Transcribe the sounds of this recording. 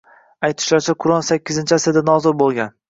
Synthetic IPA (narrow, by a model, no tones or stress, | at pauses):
ajt̪ʰɪ̥ʃlaɾt͡ʃʰaqʰʊɾɒnsakʲʰːɪzɪnt͡ʃʰasɪd̪anɒzʊɾbolˠɡʲan